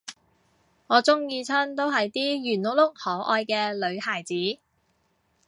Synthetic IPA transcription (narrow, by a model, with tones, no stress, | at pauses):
ŋɔː˨˧t͡sʊ˥ŋjiː˧t͡sʰœː˥nt̪o˥wɦɐ˨jt̪iː˥jyː˨˩nlʊ˨k̚lʊ˥k̚hɔː˨˥ʔɔː˧jkɛː˧lɵ˨˧ɥhaː˨˩jt͡siː˨˥